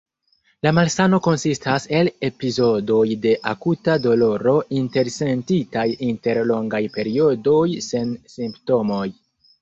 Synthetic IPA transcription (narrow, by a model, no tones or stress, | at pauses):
lamalsano̞ko̞nsistase̞le̞pizo̞do̞jde̞ʔakutado̞lo̞ɾo̞inte̞ɾse̞ntitajinte̞ɾlo̞ŋɡajpe̞ɾio̞do̞jse̞nsimpto̞mo̞j